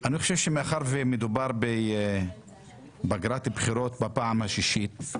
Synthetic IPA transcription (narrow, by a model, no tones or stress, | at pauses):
aniχoʃevʃemeaχaɾvemed̪ubaɾbe | baɡɾat̪ibχiɾo̞t̪bapaamhaʃiʃit